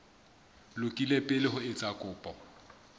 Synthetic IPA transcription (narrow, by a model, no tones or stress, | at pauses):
lʊkʼilepʼɪlɪɦʊɪt͡sʼakʼʊːpʼɔ